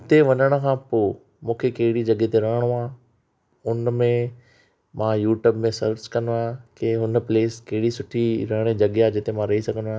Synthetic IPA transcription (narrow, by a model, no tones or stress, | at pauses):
ɪt̪eʋɐɲəɽ̃ə̆kʰãːpoː | mũːkʰekɐɦɪɽid͡ʑɐɠet̪eɾɐɦəɽ̃oaː | ʊnmẽ | mãːjuːʈjuːbmẽsɐɾt͡ɕkɐnoaːkeɦʊnpleːskɐɦɪɽisʊʈʰiɾɐɦɪɽ̃ed͡ʑɐɠeaːd͡ʑɪt̪emãɾɐɦisɐɡʱəndoaː